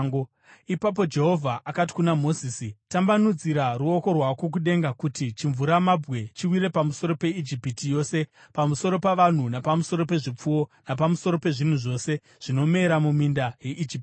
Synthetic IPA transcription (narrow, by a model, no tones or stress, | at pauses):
ɡ | ipap̬o̞d͡ʒe̞ɦo̞vʱaʔakat̬i̥kunamo̞ziːsitambanud͡ziɾaruo̞ko̞rwakwo̞k̬uɗe̞ŋɡakutit͡ʃiɱvuɾamabʱɣe̞t͡ʃiwiɾe̞pamuso̞ɾo̞pe̞id͡ʒipitijo̞ːse̞pamuso̞ɾo̞paʋan̤unapamuso̞ɾo̞pe̞ʐip͡fuwo̞nap̬amuso̞ɾo̞pe̞ʐin̤uʐo̞se̞ | ʐ̥ino̞me̞ːɾamumindaje̞ʔid͡ʒipi